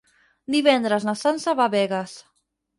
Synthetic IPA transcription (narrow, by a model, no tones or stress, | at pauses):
d̪iβɛnd̪ɾaznasansaβaβɛɣas